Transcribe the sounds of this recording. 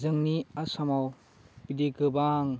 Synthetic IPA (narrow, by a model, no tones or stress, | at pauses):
zɯŋniasamaw | pideɡɯbaŋ